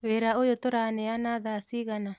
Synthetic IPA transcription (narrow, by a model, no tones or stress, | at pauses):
weɾaojotoɾanɛanaðasiɣana